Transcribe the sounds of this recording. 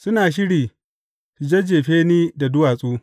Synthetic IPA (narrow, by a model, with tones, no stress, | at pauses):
sʊ˦naː˨ʃ̬ɪ˦ɽiː˨ | su˨d͡ʒe˦d͡ʒeː˨ɸeː˦niː˦da˨dʊ˦waː˨sʼuː˦